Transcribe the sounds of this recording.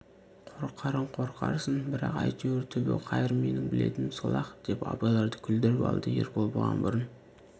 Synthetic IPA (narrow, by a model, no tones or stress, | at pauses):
qʰoɾqʰːɑɾəɴqʰo̞ɾqʰɑ̰ɾsənbɪɾɑqɑjt̪ʰuɾt̪ʰʏbḛwqʰɑjɪɾme̞nɪŋbɪle̞̰t̪ɪmsəlˠɑqd̪̥e̞pɑ̰bɑjlˠɑɾd̪əkʲʰʏld̪ɪɾɪpɑ̰lˠd̪əjeɾbolˠbəʁɑ̰nbʊɾən